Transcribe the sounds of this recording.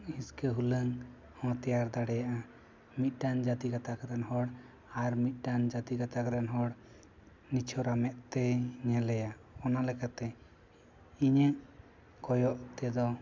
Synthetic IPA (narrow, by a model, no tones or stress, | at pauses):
hĩskəɦuləŋ | hɔ̃t̪ɛjaɾd̪aɽɛjaʔa | mit̪̚ˀɖand͡ʒat̪iɡat̪akaɾanɦɔɽ | aɾmit̪̚ˀɖand͡ʒat̪iɡat̪akɾanɦɔɽ | nit͡ʃʰɔɾamɛʔt̪ɛɲɛlɛjaɔnalɛkat̪ɛ | iɲəʔ | kɔjɔʔt̪ɛd̪ɔ